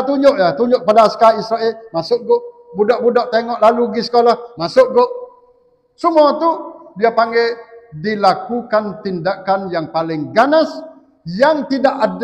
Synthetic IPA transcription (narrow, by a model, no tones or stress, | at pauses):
t̪uɲʊʔjat̪uɲʊʔk̚əpadaːskaisɾaʔelmasʊʔɡʊʔ | budɔʔbudɔʔt̪eŋɔʔlaluɡisə̥kolahmasʊʔɡʊʔ | səmuat̪ubiapaŋɡɛdilakukant̪indakanjaŋpalɪŋɡanas | jaŋt̪idaʔad